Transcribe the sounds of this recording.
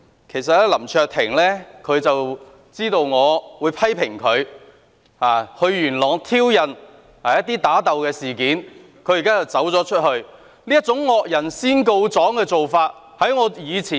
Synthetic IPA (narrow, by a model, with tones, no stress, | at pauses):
kʰe˨˩js̬ɐ˨t̚lɛ˥lɐ˨˩mt͡ʃʰœː˧k̚t̪ʰɪ˨˩ŋlɛː˥kʰɵ˨˧ɥt͡sɐ˨w | t͡siː˥t̪o˧wŋɔː˨˧wuː˨˧jpʰɐ˥jpʰɪ˨˩ŋkʰɵ˨˧ɥ | aː˨˩hɵ˨˧ɥjyː˨˩nlɔː˨˩ŋt̪ʰiː˥wjɐ˨n | aː˨˩jɐ˥t̪̚iː˥t̪aː˨˥t̪ɐ˨wkɛː˧siː˨kiː˨˥n | kʰɵ˧ɥjkaː˥t͡sɐ˨wt͡sɐ˨˥wt͡sɔː˨˥t͡ʃʰɵ˥t̚hɵ˧ɥ | liː˥jɐ˥t̚t͡sʊ˨˥ŋːɔː˨k̚jɐ˨˩nsiː˥nko˧wt͡sɔː˨˥ŋkɛː˧t͡so˨wfaː˧t̚ | hɐ˨˥jŋɔː˨˧jiː˨˧t͡sʰiː˨